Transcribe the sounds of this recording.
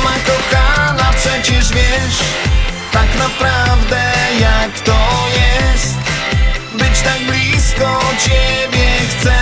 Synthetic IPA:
makɔwkalafpʂɛt͡ɕɛʐvʲjɛʂt̪aknapɾavd̪ɛjakt̪ɔjɛst̪ | bɨt͡ɕt̪aɡ̚blʲiskɔt͡ɕɛbʲjɛxt̪sɛ

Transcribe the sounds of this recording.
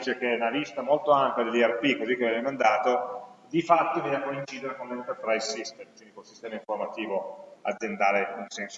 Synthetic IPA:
t͡ʃek̟eunalist̪amolt̪oampjad̪elːiɛrpikːozik̟ːevɛemand̪aːt̪od̪ifat̪ːovid̪akoint͡ʃiːd̪eɾekonleint̪erpɾajsist̪ekind̪ikolsist̪ɛːmaĩɱformat̪iːvoa̰d̪ːend̪aːɾeunsɛnso

